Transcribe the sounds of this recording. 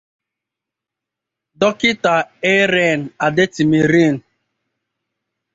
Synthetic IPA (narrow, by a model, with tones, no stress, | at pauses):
dɔ˦kɪ˦ta˨e˦ɾe˦˨n̩˨a˨de˦ti˨mi˨ɾi˦˨n̩˨